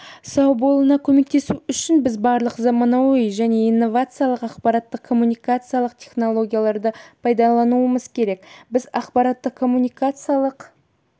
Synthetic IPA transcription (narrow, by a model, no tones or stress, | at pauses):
sɑwbo̞lˠənɑkʲʰɵme̞k̚t̪e̞suʏʃɪnbɪzbɑɾlˠəqzɑmɑnɑwojʒæne̞ijnːo̞vat̪sɨjalˠəqɑqpɑɾɑt̪ːəqʰːo̞munijkat̪sɨjalˠəqt̪ʰʲe̞χno̞lˠo̞ɡʲijalˠɑɾd̪əpʰɑjd̪ɑlˠɑnuəməzkʲʰe̞ɾe̞kbɪzɑqpɑɾat̪ːəqkʰːo̞mːunʲijkat̪sɨijalˠəq